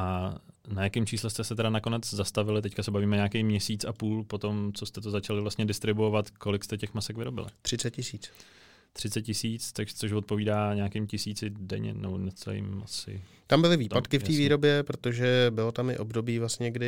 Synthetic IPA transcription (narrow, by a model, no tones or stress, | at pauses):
ʔanajakɪmt͡ʃiːslɛst̪ɛsɛt̪ɛɾanako̞nɛd͡zzast̪avɪlɪt̪ɛckasɛbaviːmɛɲaːkejmɲɛsiːt͡sapuːlpo̞t̪o̞mt͡so̞st̪ɛt̪̬ozat͡ʃalɪvlast̪ɲɛdɪst̪ɾɪbuovat̪ko̞lɪkst̪ɛcɛxmasɛkvɪɾo̞bɪ̰lɪ̰t̪r̥ɪt͡sɛt̪̚cɪsiːt͡s | t̪r̝̥ɪt͡sɛt̪̚cɪsiːt͡st̪aɡʒt͡soʃvo̞t̪̚po̞viːdaːɲaːkɪmcɪsiːt͡sɪdɛ̰ɲɛ̰nɛbonɛt͡sɛl̰ɪ̰mʔasɪ̰ | t̪ambɪlɪviːtpat̪kɪft̪iːviːɾo̞bjɛpɾot̪oʒɛbɪlo̞t̪amɪ̰ʔo̞bdo̞biːvlasɲɛɡdɪ